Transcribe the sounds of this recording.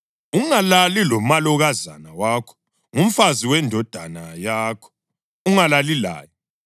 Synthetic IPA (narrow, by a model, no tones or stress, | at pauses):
uŋalalilɔmalɔɣazanawakʰɔ̥ | ŋum̩faziwɛndʱɔd̥ʱanajaːkʰɔ̥ | uŋalalila̰ːjɔ